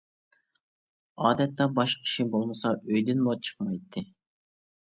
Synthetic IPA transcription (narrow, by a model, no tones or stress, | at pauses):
ɑːd̪ɛt̪ːɑbɑʃʲʰi̥ʃibolˠməsɑøjd̪ɪnmot͡ʃʰə̥χmɑjt̪ʰːɨ